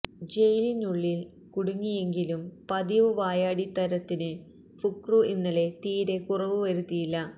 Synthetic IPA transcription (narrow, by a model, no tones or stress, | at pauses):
d͡ʑe̞jlinuɭːil | kuɽuŋːije̞ŋɡilumpɐd̪iʋɨʋaːjaːɽit̪ɐɾɐt̪ːinɨ | fukruinːɐle̞t̪iːɾe̞kurɐʋuʋɐɾut̪ːijilːɐ